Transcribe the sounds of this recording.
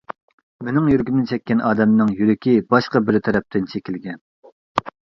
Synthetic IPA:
menɪŋjyɾɡʲymnɪt͡ʃʰɛkʲːɛnʔɑːd̪ɛmnɨŋjyɾɪkʲibɑʃqɑbɪɾt̪ʰɛɾɛp̚t̪ʰɪnt͡ʃʰekʲilɡʲɛn

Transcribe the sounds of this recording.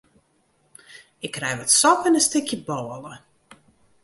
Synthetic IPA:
ɪkrɛjʋɔtsɔkənəstɪkjəbɔːələ

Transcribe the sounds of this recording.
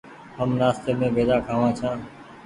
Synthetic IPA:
ɦəmnaːst̪eːmẽːbeːd̪aːkʰaːʋãːt͡ʃʰãː

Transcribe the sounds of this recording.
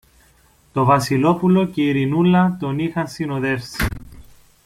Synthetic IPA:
t̪o̞vɐsilo̞pulo̞ceiɾinulːɐt̪o̞nixɐnsinoðe̞fsi̥

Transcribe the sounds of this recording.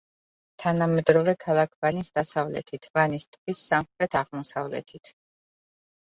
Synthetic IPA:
t̪ʰanamɛd̪ɾɔvɛkʰalˠakʰvanisd̪̥asavlɛ̰t̪ʰit̪ʰvanist̪ʼvisːamχɾɛt̪ʰaʁmɔsavlɛ̰t̪ʰit̪ʰ

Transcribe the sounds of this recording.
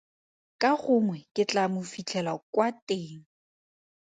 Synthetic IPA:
kʼaχʊŋwɛkʼɪt͡ɬʼamʊfit͡ɬʰɛlakwateːŋ̩

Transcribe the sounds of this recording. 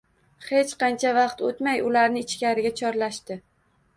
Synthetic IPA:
he̞t͡ʃqɑnt͡ʃʰavɑqt̪ot̪majʊlaɾnɪɪt͡ʃkʲaɾɪɡʲat͡ʃʰɒɾlaʃt̪ɪ

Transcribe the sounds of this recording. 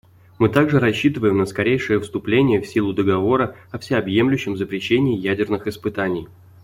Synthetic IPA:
mɨt̪aɡʐɨɾɐɕːit̪ɨvəjɪmnəskɐɾʲejʂɨjəfst̪ʊplʲenʲɪjəfsʲilˠʊd̪əɡɐvo̞ɾəɐfsʲɪɐbje̞mlʲʉɕːɪmzəpɾʲɪɕːenʲɪːjædʲɪrnɨxɪspɨt̪anʲɪj

